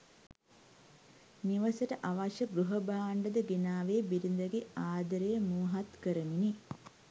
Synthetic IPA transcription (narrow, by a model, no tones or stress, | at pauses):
niʋəsəʈəʔaʋaʃəɡɾuɦɐbaːɳɖəd̪əɡenaːʋeːbiɾind̪ɐɡeaːd̪ɐɾejəmuːɦat̪kəɾəmini